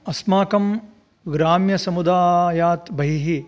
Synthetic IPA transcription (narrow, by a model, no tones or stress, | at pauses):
ɐsmaːkɐm | ɡɾaːmjɐsɐmud̪aːjaːt̪bɐɦiɦi